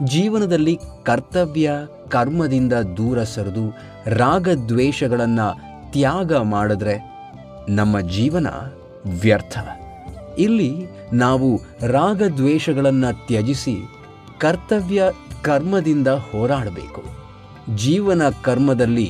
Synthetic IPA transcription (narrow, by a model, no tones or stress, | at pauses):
d͡ʒiːʋɐnɐd̪ɐlːikɐɾt̪ɐʋjɐ | kɐɾmɐd̪ind̪ɐd̪uːɾɐsɐɾud̪u | ɾaːɡɐd̪ʋɛːʃɐɡɐɭɐnːɐ | t̪jaːɡɐmaːɽud̪ɾe̞ | nɐmːɐd͡ʒiːʋɐnɐ̰ | ʋjɐɾt̪ʰɐ̰ | ilːi | naːʋu | ɾaːɡɐd̪ʋɛːʃɐɡɐɭɐnːɐt̪jɐd͡ʒisi | kɐɾt̪ɐʋjɐkɐɾmɐd̪ind̪ɐhɔːɾaːɽɐbḛːku | d͡ʒiːʋɐnɐkɐɾmɐd̪ɐlːi